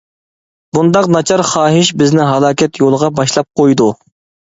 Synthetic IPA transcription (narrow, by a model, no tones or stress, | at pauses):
bund̪ɑqnɑt͡ʃʰɑɾχɑːɦɪʃbɪznɪɦɑlˠɑːkʲɛt̪ʰjolˠəʁɑbɑʃlˠɑp̚qʰojd̪u